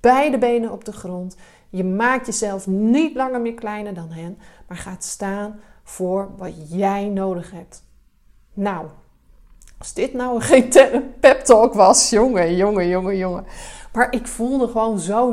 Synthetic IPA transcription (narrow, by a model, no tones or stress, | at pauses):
b̥ɛjdəbejnənɔb̚dəχrɔnt | jəmaːk̚tjəzɛlˠfnitlɑŋəɹmɪːɹklɛjnəɹdɑnɦɛnmaːɹχaːtstaːnv̥ʊːɹʋɑtjɛjnowdəχɦɛp̚t | naw | ɑzdɪtnawəχentɛəpɛptɔkʋɑsjoŋəjʊŋəjʊŋəjʊŋəmaːɹʔɪkfulˠdəχəʋownzo